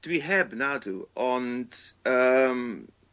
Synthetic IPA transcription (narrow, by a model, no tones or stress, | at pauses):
d̥wiɦɛbnaduɔnd̥əm